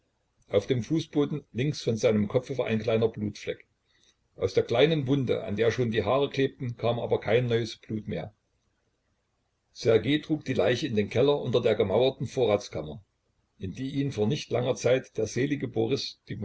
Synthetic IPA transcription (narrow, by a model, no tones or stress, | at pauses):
ʔaʊfd̥eːmfuːsb̥oːdn̩lɪŋksfɔnzaɪnəmkʰɔp͡fvʔa̰ɪnkl̥aɪnɐbluːtflɛk | ʔaʊsd̥eːɐkl̥aɪnənvʊndə̰ʔa̰ndeːɐʃoːndiːɦaːʁəkl̥eːp̚tn̩kʰaːmʔa̰ːbɐkʰaɪnːɔʏəsb̥luːtmeːɐ | z̥ɛɐɡeːtʁ̥uːk̚d̥iːlaɪçəɪndeːnkʰɛlɐʔʊntɐdeːɐɡəmaʊɐtn̩foːɐʁaːt͡skʰamɐ | ʔɪndiːʔiːnfoːɐnɪçtlaŋɐt͡saɪtd̥eːɐzeːlɪɡəboʁɪsd̥iː